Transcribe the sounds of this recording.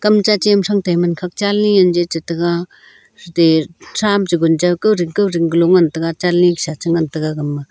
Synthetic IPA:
kɐmt͡ʃat͡ʃimsaŋtajmankʰak̚t͡ʃalniand͡ʒet͡ʃatɯɡa | ɾdesʰamd͡ʒiɡund͡ʒawkɯwɾiŋkɯwɾiŋɡlɔŋantɯɡat͡ʃalniksat͡ʃɯŋantɯɡaɡɐmːa

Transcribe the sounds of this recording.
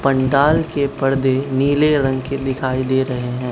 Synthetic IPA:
pɐ̃ɳɖaːlkepɐɾd̪eniːleɾɐ̃ŋɡked̪ɪkʰaːid̪eːɾɐɦeɦɛ̃ː

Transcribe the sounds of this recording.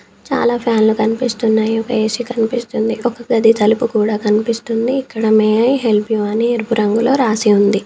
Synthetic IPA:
t͡ʃa̰ːlaːpʰjaːnlukɐnipist̪unːaːjiɔkɐeːsikɐnipist̪und̪iʔɔkɐkɐd̪it̪ʰɐlupukuːɽaːkɐnipist̪und̪iːkːɐɽɐmeːɦe̞lpjuɐnieɾpuɾɐŋɡulo̞ːɾaːsiund̪i

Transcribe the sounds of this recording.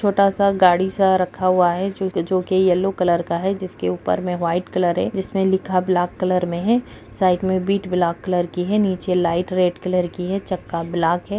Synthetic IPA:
t͡ʃʰoːʈasaɡaːɽisaɾɐkʰːaɦuaɦɛd͡ʒod͡ʒoːkejɐlːokɐləɾkaɦɛd͡ʒɪskeuːpə̰ɾmẽʋaːɪʈkɐləɾɦɛ̰d͡ʒɪsmẽlɪkʰablaːkːɐləɾmẽɦɛ | saːɪʈmẽbiːʈblaːkːɐləɾkiɦɛniːt͡ʃelaːɪʈɾeːʈkɐləɾkiɦɛt͡ʃɐkːablaːkɦɛː

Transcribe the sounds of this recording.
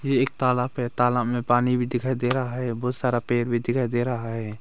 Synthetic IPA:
jeːk̚t̪aːlaːpɦɛt̪aːlaːbmẽpaːnibʱid̪ɪkʰaːjd̪eɾəɦaɦɛbɔːt̪saːɾapeːɾbʱid̪ɪkʰaːjd̪eɾəɦaɦɛː

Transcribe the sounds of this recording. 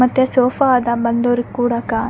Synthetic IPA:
ɐt̪jɐsoːfad̪abɐnd̪oːɾikːuːɽɐkaː

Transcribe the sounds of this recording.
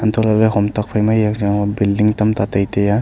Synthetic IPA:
ant̪ɔlaleɦɔmtak̚pʰajmajakzaŋɔbildiŋt̪amt̪at̪ajt̪eja

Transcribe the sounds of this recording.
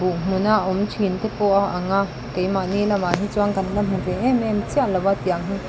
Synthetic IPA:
bum̥unaʔumt͡ʃʰint̪ɛpɔʔaʔɐŋa | kejmanilɐmaɦit͡suaŋkɐnlɐmhinrɛʔɛmɛmt͡siaʔlɐwat̪iaŋɦi

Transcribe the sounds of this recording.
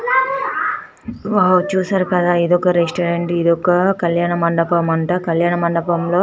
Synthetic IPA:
at͡ʃuːsaːɾukɐd̪aːid̪ɔkːɐɾesʈɐːɾeɳʈid̪ɔkːɐkɐljaːɳɐmɐɳɖɐpɐmɐɳʈɐːkɐljaːɳɐmɐɳɖɐpɐmloː

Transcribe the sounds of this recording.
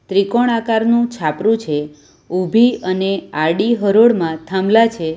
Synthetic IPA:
t̪ɾikoɽ̃akaɾnũt͡ʃʰapɾũt͡ʃʰe | ubʱiəneaɽiɦəɾoɽmãt̪ʰamlat͡ʃʰe

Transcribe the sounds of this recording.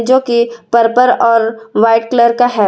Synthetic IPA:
d͡ʒoːkipəɾpəɾɔːɾʋaːɪʈ̚kləɾkaɦɛ

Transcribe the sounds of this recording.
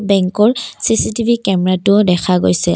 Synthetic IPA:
bɛŋkɔɹsisitibʱikɛmɛɹatʊdɛkʰaɡojsɛ

